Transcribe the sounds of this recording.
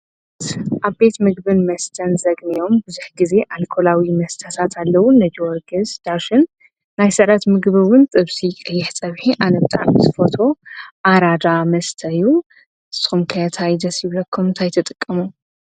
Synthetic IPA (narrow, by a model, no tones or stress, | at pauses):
t̪ʔaβbe̞t̪mɨɡbɨnmɐst̪ʰɐnzɐɡnijo̞mbɨzuħɡize̞ʔalkʰo̞lawimɐst̪ʰɐt̪ʰat̪ʰalːɐwʊnːɐd͡ʒwɔɾɡɨzd̪̥aʃɨnː | ajsɨɾɐt̪mɨɡβɨwʊnt̪ʼɨβsikʼɐjːɪħt͡sʼɐβħiʔalɐβɨt̪ʼa̰ɾzfot̪ʰo̞ʔaɾad̪amɐst̪ʰɐju | ɨsɨ̥xumkʰɐt̪ʰajd̪ɐsjɪβlɐkʰːumnt̪ʰajt̪ʰɨt̪ʼɨkʼːɐmu